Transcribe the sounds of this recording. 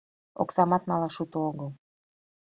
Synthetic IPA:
o̰ksɑmɑt̪nɑlɑʃut̪ooɣəlˠ

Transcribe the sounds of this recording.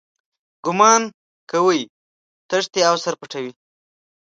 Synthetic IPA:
ɡʊmɑn | kəwəj | t̪əʐt̪eawsaɾpəʈawi

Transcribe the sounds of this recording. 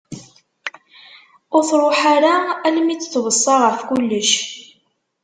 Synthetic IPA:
ʊɾθɾˤoħaɾaælmit͡sːt͡sːvəsˤːɑʁəfkulːəʃ

